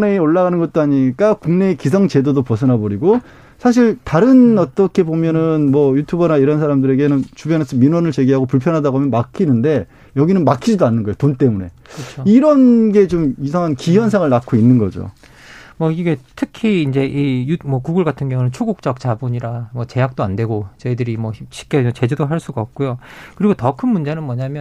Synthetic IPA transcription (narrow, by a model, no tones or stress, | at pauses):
neioɭːaɣanɯnɡʌt̚t͈oaɲik͈akuŋne̞ːkisʰʌŋt͡ɕe̞dodopʌsʰʌnɦabʌɾiɡo | sʰaɕ̬ʰiɭtaɾɯnʌt͈ʌkʰe̞bomjʌnɯnmwʌjutʰubʌnaiɾʌns̬ʰaɾamdɯɾe̞ɡe̞nɯnt͡ɕubjʌnesʰʌminwʌnɯɭt͡ɕe̞ɡiɦaɡopuɭpʰjʌnɦadaɡoɦamjʌnmakʰinɯnde̞ | jʌɡinɯnmakʰid͡ʑidoanːɯnɡʌejotont͈e̞mune̞̰ | kɯt͡ɕoiɾʌnɡe̞t͡ɕomisʰaŋɦankijʌnsʰaŋɯɭnakʰoinːɯnɡʌ̰d͡ʑo̰ | mʌiɡe̞tʰɯkʰiːnd͡ʑe̞ʔijumwʌkuɡɯɭɡatʰɯnɡjʌŋunɯnt͡ɕʰoɡuk̚t͡ɕ͈ʌk̚t͡ɕabuɲiɾamʌt͡ɕe̞jak̚t͈oandwe̞ɡot͡ɕʌidɯɾimwʌiɕʰi̥k͈et͡ɕe̞d͡ʑedoɦaɭs͈uɡaʌp̚k͈ojokɯɾiɡotʌkʰɯnmund͡ʑe̞nɯnmwʌɲamjʌn